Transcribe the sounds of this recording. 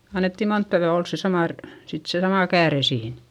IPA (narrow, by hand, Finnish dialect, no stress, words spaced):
ɑnːetːi montːɑ ʋyæ ols se sɑmɑˑ r sit se sɑmɑˑ kæːre siːn